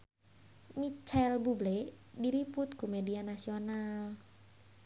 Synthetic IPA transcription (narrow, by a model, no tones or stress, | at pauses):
mit͡ʃɛlbubleʔdiɾipʊt̪̚kumedianasional